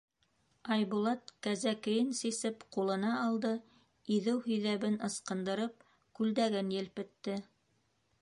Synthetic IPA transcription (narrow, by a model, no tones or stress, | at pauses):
ɑjβulˠɑt̪kæzækɘ̆jɘnsisɘpqulˠɤ̆nɑːlˠd̪ɤ | iðɘwhɵ̆jðæβɘnɤ̆sqɤ̆nd̪ɤ̆ɾɤp̚ | kʉld̪æɡɘnjɘ̆lpɘ̆t̪ːɘ